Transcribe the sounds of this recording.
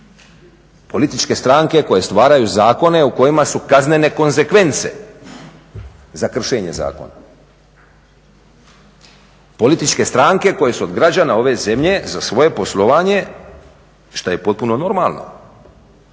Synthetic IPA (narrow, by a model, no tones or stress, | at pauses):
po̞lit̪it͡ʃke̞st̪ɾaːŋke̞ko̞je̞st̪ʋaːɾajuzaːko̞ne̞uko̞jimasukazne̞ne̞ko̞nze̞kʋe̞nt̪se̞̰ | zakr̩ʃeːɲe̞za̰ːko̞̰na | po̞lit̪it͡ʃke̞st̪ɾaːŋke̞ko̞je̞suo̞d̪ɡɾad͡ʑanao̞ʋe̞ze̞mʎe̞zasʋo̞je̞po̞slˠo̞ʋaːɲe̞ | ʃt̪aje̞po̞t̪̚puno̞no̞ɾmalˠno̞̰